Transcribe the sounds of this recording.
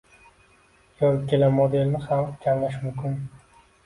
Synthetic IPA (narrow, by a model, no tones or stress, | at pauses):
joɾɪkʲʰe̞lamːod̪e̞lnɪχamkʲʰamlaʃ̬mʊmkʲʰʊn